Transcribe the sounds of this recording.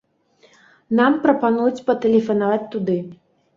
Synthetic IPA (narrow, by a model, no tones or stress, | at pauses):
nampɾɐpanujut͡sʲpɐt̪ɛlʲɛfɐnavat͡sʲt̪ud̪ɨ